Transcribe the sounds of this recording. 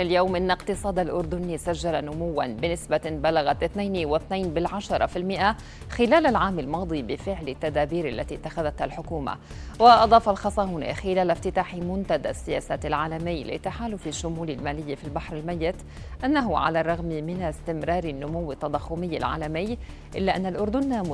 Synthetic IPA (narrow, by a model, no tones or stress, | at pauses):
ɪljawmʔɪnːaqt̪ɨsˤɑːd̪alʔʊɾd̪ʊniːsaʒːalanʊmʊwːa̰nbɪnɪsbabalaɣat̪ʔɪθnajniwɪθnajnbɪlʕaʃɑɾˤɑfilmɪʔa | xɪlaːlalʕaːmalmɑːd̪ˤibɪfɪʕlɪt̪ːad̪aːbiːɾʔa̰lːat̪it̪ːaxaðat̪halħʊkuːma̰ | wɪʔɑd̪ˤɑːfɑlxɑsˤɑːwnḭxɪlaːlaft̪ɪt̪aːħimʊnt̪ad̪asːɪjaːsaːt̪ɪlʕaːlamɪjːlɪ̰t̪ːaħaːlʊfɪʃːʊmuːlɪlmaːlɪjːafilbaħɾɪlmajːɪt̪ | ʔanːaɦʊʕa̰larˤːɑɣmmɪnast̪ɪmɾɑːɾɪnːʊmʊwːɪt̪ːɑd̪ˤɑxːʊmɪjːa̰lʕa̰ːlamɪjː | ʔɪlːaʔanːalʔʊɾd̪ʊnː